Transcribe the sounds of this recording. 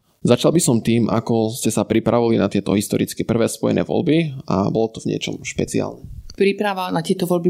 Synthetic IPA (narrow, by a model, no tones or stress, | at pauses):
zat͡ʃalbisɔmt̪iːmʔa̰kɔscɛsapɾipɾaʋilinat̪ɪɛt̪ɔɦist̪ɔɾit͡skɛpr̩ʋɛːspɔjɛ̰nɛ̰ːʋɔ̰lbia̰bɔlɔt̪ɔvɲɪɛ̰t͡ʃɔ̰mʃpɛt͡sia̰lnɛpɾipɾaʋanat̪ɪɛt̪ɔʋɔlbi